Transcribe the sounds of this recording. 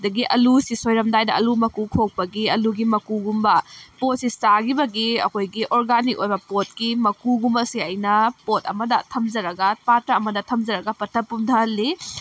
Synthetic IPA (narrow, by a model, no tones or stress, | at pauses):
dɐɡiʔɐlusisojɾɐmdajdɐʔɐlumɐkukʰok̚pɐɡiɐluɡimɐkuɡumbɐpot̚sisaɡibɐɡiɐ̰kʰojɡiʔoɾɡanikojbɐpot̚kimɐkuɡumɐsiɐjnɐpotʰɐ̰mɐdɐtʰɐmd͡ʒɐɾɐɡɐpatɐɐmɐdɐtʰɐmd͡ʒɐɾɐɡɐpɐtʰɐpːumtʰɐli